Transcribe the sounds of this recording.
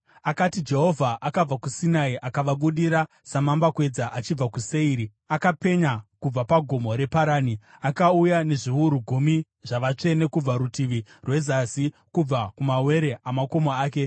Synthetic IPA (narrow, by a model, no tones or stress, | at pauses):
akatid͡ʒe̞ɦo̞vʱaʔakab͡vakusinaiʔakaʋaɓuɗiɾa | samambakwe̞d͡zaʔat͡ʃib͡vakuse̞iːɾi | akape̞ɲakub͡vapaɡʱo̞mo̞ɾe̞paɾaːniakaujane̞ʐiuɾuɡʱumi | ʐaʋat͡ʂe̞ne̞kub͡vaɾutiʋirwe̞zasi | kub͡vakumawe̞ɾe̞amako̞moaːke̞